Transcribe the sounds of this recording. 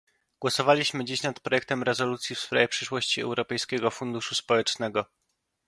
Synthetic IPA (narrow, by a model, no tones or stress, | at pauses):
ɡ̥wɔsɔvalʲiɕmɘd͡ʑiɕnat̪pɾɔjɛk̚t̪ɛmɾɛzɔlut̪sʲjifsfɾajʲɛpʂɘʂwɔɕt͡ɕiɛ̰wɾɔpɛjskʲɛɡɔfund̪uʂuspɔwɛt͡ʂnɛɡɔ